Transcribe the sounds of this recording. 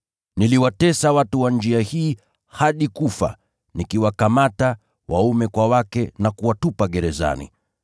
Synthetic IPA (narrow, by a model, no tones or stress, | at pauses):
niliwatɛsawatuwand͡ʒiahiː | haɗikufa̰ | nikiwakamata | wʔa̰umɛkwawakɛnakuwatupaɠɛɾɛza̰nḭ